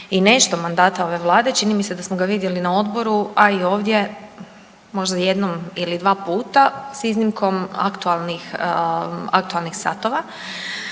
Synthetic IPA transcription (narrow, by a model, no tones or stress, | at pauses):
ine̞ʃt̪o̞mand̪aːt̪ao̞ʋe̞ʋlˠaːd̪e̞t͡ʃinimise̞d̪asmoɡaʋid̪je̞linao̞d̪bo̞ɾuaio̞ːʋd̪je̞ | mo̞ʒd̪aje̞d̪nomilid̪ʋaːpuːt̪asiznimkʰo̞ma̰kt̪ualˠnix | a̰k̚t̪ualˠnixsa̰t̪oʋa